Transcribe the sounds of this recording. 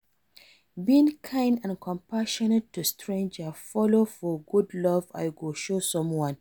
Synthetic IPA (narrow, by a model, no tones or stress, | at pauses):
biĩŋkʰãɪ̃ndãnkʰɔ̃mpaʃɔnetʰːustʰɹẽnd͡ʒəfɔlofɔɡudlɔva̰ɪɡoʃosɔ̃mwɔ̃n